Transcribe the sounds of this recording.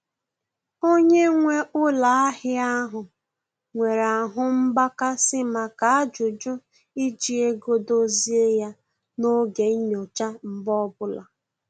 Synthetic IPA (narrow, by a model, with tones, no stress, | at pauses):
o˦ɲe˦ŋʷe˦ʊ˦la˨a˦hɪ˦a˦ɦʊ˨ | ŋʷe˨ɾa˨ɦʊ˦m̩˦ba˦ka˦sɪ˦ma˨ka˨a˦d͡ʒʊ˨d͡ʒʊ˦ | i˦d͡ʒi˨e˦ɡo˦do˦zi˦e˦ja˦ | no˦ɡe˨˦ɲo˨t͡ʃa˦m̩˦bɔ˦bʊ˦la̰˨